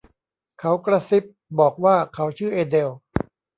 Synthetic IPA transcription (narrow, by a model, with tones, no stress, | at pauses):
kʰa˦˥wkɾa˧si˦˥p̚bɔː˨˩k̚waː˥˩kʰa˦˥wt͡ɕʰɯː˥˩ʔeː˧de˧w